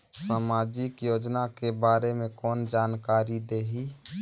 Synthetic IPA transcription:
saːmaːd͡ʒɪkjoːd͡ʒnakebaːɾemẽkɔːnd͡ʒaːnkaːɾid̪eːɦiː

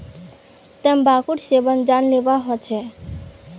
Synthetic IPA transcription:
t̪əmbakuʈsebənd͡ʒanlebaɦɔt͡ʃʰɛ

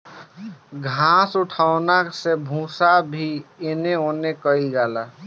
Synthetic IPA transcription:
ɡʱãːsʊʈʰaʊnasebʱũsabʱiɪneoːnekəid͡ʒaːla

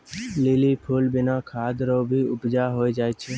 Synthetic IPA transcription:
lɪlipʰuːlbɪnakʰaːd̪ɾobʱiʊpd͡ʒaːɦoːed͡ʒaːet͡ʃʰe

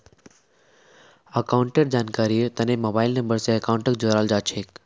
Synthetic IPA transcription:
əkaːʊɳʈeɾd͡ʒaːnkaːɾijət̪ɐnẽmoːbaːɪlnə̃mbəɾseəkaʊɳʈəkd͡ʒoɾaːld͡ʒaːt͡ʃʰeːk

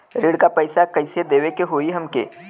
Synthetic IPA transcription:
ɾɪɽkapɐɪsakɐɪsed̪eːʋekeɦoːiɦɐmkḛː

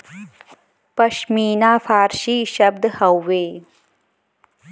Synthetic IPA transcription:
pɐʃmiːnaːfaːɾʃiːʃɐb̚d̪hɐwːeː

